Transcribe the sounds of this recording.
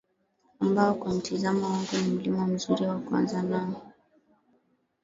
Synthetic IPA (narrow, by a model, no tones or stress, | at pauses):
ambaɔkwam̩tʰizamɔwaŋɡunim̩limɔm̩zuɾiwakwa̰nzanaɔ